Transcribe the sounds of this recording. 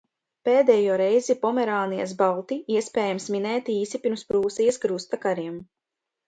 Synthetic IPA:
peːd̪ɛːjuːɾɛjzipɔmɛɾaːnija̰sbalˠt̪iiɛspʲɛːjamsminɛːt̪iːsipʲiɾmspɾuːsijəsɡɾust̪akaɾiɛm

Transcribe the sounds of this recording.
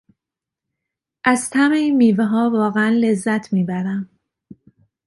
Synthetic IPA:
ʔæzt̪ʰæme̞inmiːveɦɒːvɒːɣeænle̞zːæt̪ʰmiːbæɾæm

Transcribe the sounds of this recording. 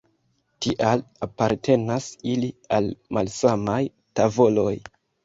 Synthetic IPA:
tiʔalapaɾtʰe̞nasilialmalsamaj | tavo̞lo̞j

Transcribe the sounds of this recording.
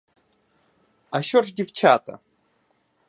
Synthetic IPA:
aɕoʐdʲɪft͡ʃʰat̪ɐ̰

